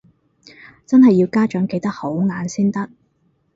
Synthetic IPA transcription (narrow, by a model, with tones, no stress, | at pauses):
t͡sɐ˥nhɐ˨jːi˧wkaː˥t͡ʃœː˨˥ŋke˧jt̪ɐ˥k̚ho˨˥wŋaː˨˧nsiː˥nt̪ɐ˥k̚